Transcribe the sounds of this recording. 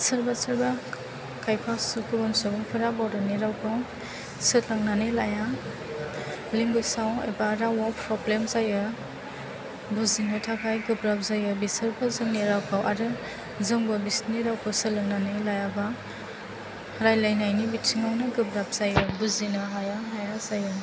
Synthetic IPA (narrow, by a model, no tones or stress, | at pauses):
sɐɾbasaɾba | kʰajpʰasukubɔnsubuŋpʰɯɾabɔwɾaniɾawkʰaw | sɯtlaŋnanelaja | liŋbɯsawḛbaɾawapʰɾɔblemzajɯ | buzinɯtʰakʰajɡɯbɾap̚zajɯbisɯɾbʰɯzɯŋniɾawkʰawʔaɾɯ | zɯŋbɯbisniɾawkʰɯsɯlɯŋnanelajaba | hɾajlajnajnibitsʰiŋawnɯɡɯbɾap̚z̥ajɯbuzinɐɦajaɦajazajɯ